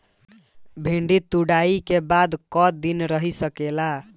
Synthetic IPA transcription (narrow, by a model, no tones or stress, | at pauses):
bʱiɳɖit̪uɽaikebad̪kɔd̪inɾəɦisəkela